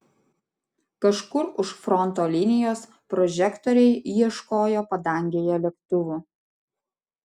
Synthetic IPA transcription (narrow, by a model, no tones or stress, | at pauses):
kɐʃkʊɾʊʃfɾɔnt̪oːlʲɪnʲɪjoːs | pɾɔʒʲɛkt̪ɔɾʲɛɪjiɛʃkoːjoːpɐd̪ɐˑŋʲɡʲeːjɛlʲɛkt̪ʊʋʊ